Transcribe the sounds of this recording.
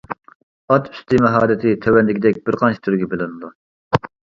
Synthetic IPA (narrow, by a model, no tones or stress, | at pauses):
ɑt̪ʰy̥st̪ɨmɛɦɑːɾɪt̪ʰɪt̪ʰøwɛnd̪ɪkʲid̪ɛk̚ʲbɪɾqʰɑnt͡ʃʰi̥t̪ʰyɾɡʲɛbɪlɪnɨd̪u